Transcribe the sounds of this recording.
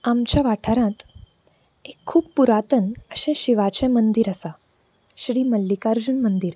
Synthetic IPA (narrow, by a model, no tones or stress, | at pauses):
amt͡ɕjaʋaʈʰaɾãt̪ | ekʰːuːbpuɾat̪ənəɕɛ̃ɕiʋat͡ɕɛ̃mənd̪iɾəsa | ɕɾiːməlːikaɾd͡ʑunmənd̪iːɾ